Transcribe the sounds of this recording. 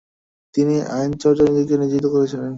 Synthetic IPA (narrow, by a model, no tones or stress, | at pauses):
t̪iniʔajnt͡ɕɔɾd͡ʑanid̪ikenid͡ʑit̪ːokoɾet͡ɕʰilen